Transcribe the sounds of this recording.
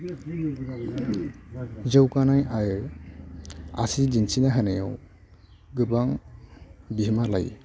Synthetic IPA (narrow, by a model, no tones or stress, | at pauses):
zɯwkanajaj | a̰sid͡ʒinsinaɦanajaw | ɡɯbaŋ | bimala̰j